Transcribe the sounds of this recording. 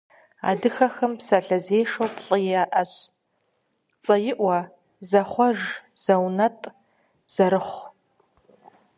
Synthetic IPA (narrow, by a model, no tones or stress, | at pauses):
a̰dɨxɐxɐmpsɐɬɐzeːjʂowpʰɬʼɐjaʔɐɕ | t͡sʼɐjɪʔʷɐ | zɐχʷɐʒz̥ɐwnɐtʼ | b̥z̥ɐɾɨχʷ